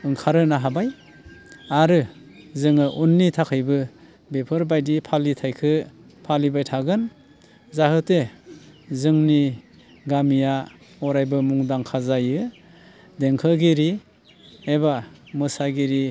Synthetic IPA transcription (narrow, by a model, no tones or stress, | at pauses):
ɯŋkʰaɾɯnaɦabaj | aɾɯ | zɯŋɯʔunːitʰakʰɯjbɯ | bepʰɯɾbajdipʰalitʰajkʰɯ | pʰalibajtʰaɡɯn | zahɯte | zɯŋni | ɡamija | ɔɾajbɯmuŋdaŋkʰazajɯ | deŋkʰɯɡiɾi | ebamɯsaɡiɾi